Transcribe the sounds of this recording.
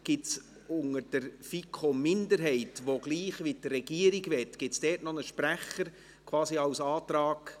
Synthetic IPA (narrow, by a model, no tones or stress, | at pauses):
ɡ̥ɪts | ʊŋəd̥əɾfikʰomɪndəɾɦɛɪtʋoɡliːχʋidrɛɡ̥iːəɾiɡʋɛtɡ̥ɪtsd̥ɛːtnɔnəʃpɾæχəɾ | kʰvɑːsiɑwsɑːtɾɑːɡ